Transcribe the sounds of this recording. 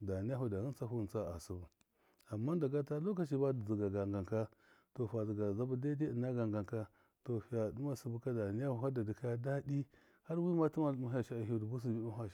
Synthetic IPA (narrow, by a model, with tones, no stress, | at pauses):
da˨ni˦ja˦hu˨da˨ni˦t͡sa˦ɦu˦˨nt͡sa˦a˨su˨bu˨ | a˨mːa˦da˨ɡa˦ta˦lo˦k̬a˨t͡ʃi˦ba˦dzi˨ɡa˨ɡa˨ŋɡa˨ŋka˦ | to˨fa˨zi˨ɡa˨za˦bu˦da˦de˦ə˨na˦ɡa˨ŋɡa˨ŋka˦ | to˨fi˨ja˨du˦ma˦su˨˦bu˦ka˦da˨ni˦ja˦hu˨ɦa˦da˨di˨ka˦ja˦da˦di˦ | ha˦ɾwi˦ma˦tu˦ma˦lmu˦ɦa˨ʃa˦a˨ɦi˦˨dbu˦s̬i˨bi˦a˦ɦa˨